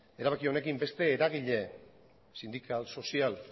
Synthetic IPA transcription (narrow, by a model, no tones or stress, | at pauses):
e̞ɾaβ̞akio̞ne̞kimbe̞st̪e̞ːɾaɣ̞iʎe̞ | sind̪ikʰalso̞sial